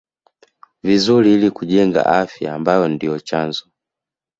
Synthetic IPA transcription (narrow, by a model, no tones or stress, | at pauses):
vizulilikuʄɛŋɡa̰ʔafja̰ːmbajɔndijɔt͡ʃanzɔ